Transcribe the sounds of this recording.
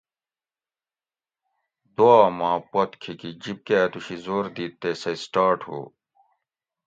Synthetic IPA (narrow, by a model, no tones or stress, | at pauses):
d̪oaːmãːpɐt̪kʰikid͡ʑip̚ket̪uɕizoːɾd̪iːt̪ːesɐsʈaːʈho̰ː